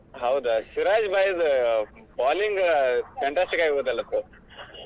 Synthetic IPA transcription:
ɦɐwd̪usiɾaːd͡ʒbaːjɐd̪ | baːliŋɡfeɳʈaːsʈikaːɡiboːd̪ɐlːɐt̪ːu

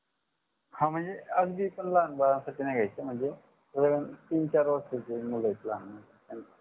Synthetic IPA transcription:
hãm̤əɳd͡zeəɡb̪ipənlanbaɾãsaʈʰiːnaɡʱajt͡səm̤əɳd͡ze | ɾeʋənt̪iːnt͡ɕaɾʋəɾset͡semuləjt̪lanm̤əɳd͡zeen

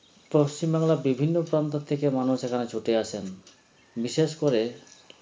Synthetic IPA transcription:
poʃt͡ɕimbaŋlabibʱinːopɾant̪ot̪ʰːekemanuʃekʰanet͡ɕʰoʈeat͡ɕʰen | biʃeʃkoɾe

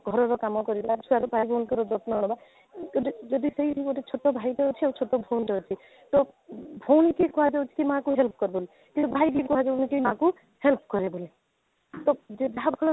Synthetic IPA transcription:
ɡʱɔɾɔɾɔkamɔkɔɾilat͡ʃʰuaɾubʱajbʱownkɔɾɔd͡ʒɔtnɔnɔba | did͡ʒɔd̪isejikɔʈet͡ʃʰotɔbʱajʈɔot͡ʃʰiet͡ʃʰot̪ɔbʱonʈɔɦɔt͡ʃʰi | t̪ɔbʰʱownikekɔɦad͡ʒeut͡ʃʰi̥kimãkuɦelp̚ʰkɔɾbɔl | kĩt̪ubʱajɡikɔɦad͡ʒeunikemaku | help̚ʰkɔɾebɔle | t̪ɔd͡ʒed͡ʒaɦabʱɔlɔ

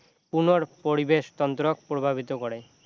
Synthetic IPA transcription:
punoɾpoɾibeʃt̪ɔnt̪ɾok̚pɾobʱabit̪okɔɾe

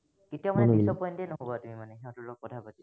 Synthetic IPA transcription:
ketijɔmaɛsɔpɔjntenoɦobatumimanɛɦeõtʊlok̚kɔtʰapati

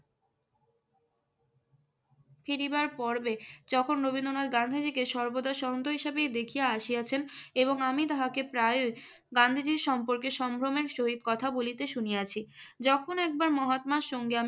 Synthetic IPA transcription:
fiɾibaɾpɔɾbed͡ʑɔkʰonɾobind̪ɾonad̪ɡand̪ʱid͡ʑikeʃɔɾbod̪aʃɔɦont̪oɦiʃabejd̪ekʰijaaʃijat͡ɕʰeneboŋamit̪aɦakepɾaeo | ɡand̪ʱid͡ʑiɾʃɔmpoɾkeʃɔmbʱɾomeɾʃoɦid̪̚kɔt̪ʰabolit̪eʃuniat͡ɕʰid͡ʑɔkʰonɛk̚baɾmɔɦat̪maʃɔŋɡeam

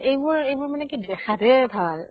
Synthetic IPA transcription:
ejbʊɹejbʊɹmanɛkidɛxatɛbʱal

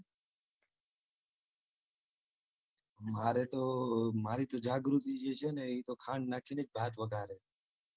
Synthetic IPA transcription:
maɾet̪omaɾit̪od͡ʒaɡɾut̪id͡ʒet͡ʃʰeəneːit̪okʰãɳɖnakʰined͡ʒbʱaːt̪ʋəɡʱaɾe

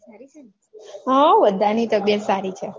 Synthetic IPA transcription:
i | ɦə̃ʋəd̪ʱːanit̪ək̚bjət̪saɾit͡ʃʰe

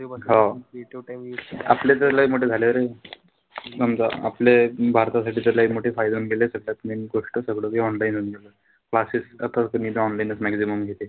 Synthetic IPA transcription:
ɦã | a̰plet̪̬alaimoʈʰed͡zʱaleʋəɾe | nəmd͡za̰a̰plebʱaɾt̪as̬aʈiːt̪aɾlaimoʈʰefajd̪unɡelesəɡɭjat̪miɡoʂʈəsəɡɭəiɔnlajinunɡelə | klasisat̪akəmid̪eɔnlajnəsmæksiməmɡʱet̪e

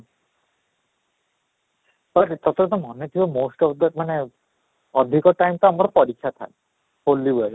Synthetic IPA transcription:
baʈt̪ɔt̪ʰɔɾɔt̪ɔmɔnet̪ʰibɔmosʈɔfd̪amane | ɔd̪ʱikɔʈajmt̪ɔamɔɾɔpɔɾikʰːjat̪ʰa̰e | holːibela

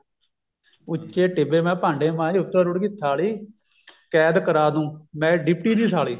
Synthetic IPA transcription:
ʊt͡ʃːeːʈɪbeːmɛ̃ːpãːɳɖeːmãːiːʊt̪ːãːɾʊɽkɪt̪ʰːaːliː | kɛːd̪kəɾaːd̪ũːmɛ̃ːɖɪpʈiːniːsaːliː

